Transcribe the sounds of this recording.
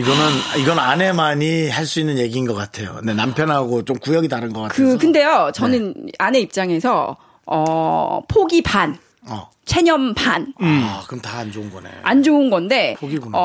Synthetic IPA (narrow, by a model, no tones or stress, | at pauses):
iɡʌnɯniɡʌnɯnane̞maɲiɦaɭs͈uinːɯnje̞ɡiːnɡʌk͈atʰe̞jo̰nenampʰjʌnɦaɡot͡ɕomkujʌɡitaɾɯnɡʌk͈attkɯkɯnde̞jot͡ɕʌnɯnane̞ip̚t͡ɕ͈aŋe̞sʰʌ | ʌpʰoɡipʰan | ʌ̰ | t͡ɕʰe̞ɲʌmpʰankɯmtaːnd͡ʑounɡʌnḛʔand͡ʑounɡʌnde̞pʰoɡiɡoʌ